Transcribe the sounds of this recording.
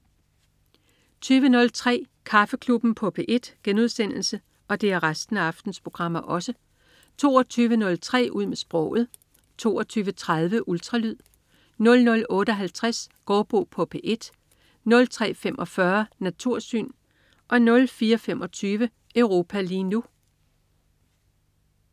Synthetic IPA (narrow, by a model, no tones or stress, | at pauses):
t͡sʰyːʋənɔ̽lt͡sʰʁɛ̰ː | kʰɑ̈fəkʰlub̥n̩pʰɒ̽pʰe̝ʔe̝d̥ɡ̥enuð̞ˠsen̰l̩sə | ɒ̽d̥e̝æɐʁasd̥n̩æɑ̈fd̥n̩spʰʁo̝ɡ̥ʁɑ̈m̰ɐʔɒ̽sə | t͡sʰo̝̰ːɒt͡sʰyːʋənɔ̽lt͡sʰʁɛ̰ːʔuð̞̰ˠmesb̥ʁɔ̰̽ʊ̰ð̞̩ˠ | t͡sʰo̝̰ːɒt͡sʰyːʋət͡sʰʁɑð̞ˠʋəʔuld̥ʁɑ̈lyð̰ˠ | nɔ̽lnɔ̽lɔ̽ːɾəɒ̽ɦælt͡sʰʁasɡ̥ɒːb̥ʁo̝ːpʰɒ̽pʰeʔe̝d̥ | nɔ̽lt͡sʰʁɛ̰ːfemʔɒ̽fɶɐnæt͡sʰuɐ̰sy̰ːn | ʔɒ̽nɔ̽lfiːɐɒfemɒ̽t͡sʰyːʋə | əʊʁo̝ːpʰæliːnu